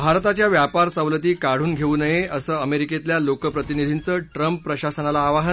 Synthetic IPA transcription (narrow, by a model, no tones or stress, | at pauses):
bʱaɾt̪at͡ɕjaʋjapaɾsəʋlət̪iːkaɽ̤uːnɡʱeuːnəjeʔəsəːəmeɾiket̪ljalokəpɾət̪inid̪ʱint͡səːʈɾəmpːɾəɕasənalaːʋaɦə